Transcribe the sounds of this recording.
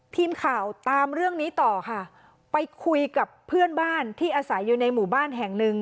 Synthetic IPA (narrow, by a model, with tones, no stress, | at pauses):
t̪ʰiː˧mkʰaː˨˩wt̪aː˧mɾɯ˥˩əŋniː˦˥t̪ɔː˨˩kʰa˥˩ | pa˧jkʰu˧jka˨˩pʰːɯ˥˩ənbaː˥˩nt̪ʰiː˥˩ʔaː˧sa˨˩˦jːuː˨˩na˧jmuː˨˩baː˥˩nɦɛ˨˩ŋnɯ˧ŋ